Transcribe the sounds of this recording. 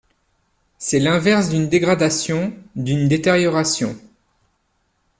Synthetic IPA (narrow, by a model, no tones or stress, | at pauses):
sɛlɛ̃vɛʁsd̪ynd̪eɡʁad̪asjɔ̃d̪ynd̪et̪eʁjɔʁasjɔ̰̃